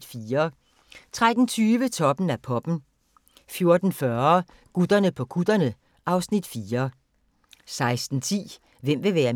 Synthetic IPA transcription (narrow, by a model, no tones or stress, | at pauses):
fiːɐ | t͡sʰʁad̥n̩t͡sʰyːʋət͡sʰɒ̽b̥n̩æpʰɒ̽b̥n̩ | fjo̝ɐd̥n̩fɶɐ | ɡ̥ud̥ɐnəpʰɒ̽ɡ̥ud̥ɐnə | ʔɑ̈ʊsnid̥fiːɐ | sɑ̈ɪsd̥n̩t͡sʰḭː | ʋem̰ʋe̝ʋæːɐ